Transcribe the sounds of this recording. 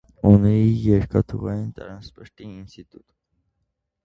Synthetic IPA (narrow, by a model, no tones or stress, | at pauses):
uniijɛɾkɑt̪ʰuʁɑjint̪ɑɾɑnspəʃt̪iinst̪it̪ut̪